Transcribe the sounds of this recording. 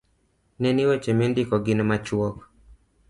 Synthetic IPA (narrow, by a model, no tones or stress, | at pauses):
nɛniwɛt͡ʃɛmendikɔɡinɛmat͡ʃwɔkɔ